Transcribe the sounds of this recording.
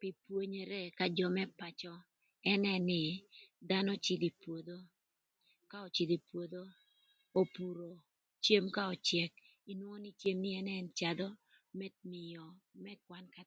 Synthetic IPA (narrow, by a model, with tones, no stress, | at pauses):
pi˨pwo˦ɲe˨ɾe˦ka˨d͡ʒɔ˨mɛ˦pa˨t͡ʃɔ˦ | ɛ˦nɛ˦nɪ˨d̪a˦nɔ˦t͡ʃi˨d̪i˨pwo˨d̪o˦ | ka˦ɔ˨t͡ʃi˨d̪i˨pwo˨d̪o˦ | o˨pu˨ɾo˨ | t͡ʃje˦mka˦ɔ˨t͡ʃjɛ˨k̚ | i˨nwɔ˦ni˦t͡ʃje˦mnɪ˦ɛ˦nɛnt͡ʃa˨d̪ɔ˦ | mɛ˦t̚mɪ˨jɔ˨mɛ˦kwa˦nka˨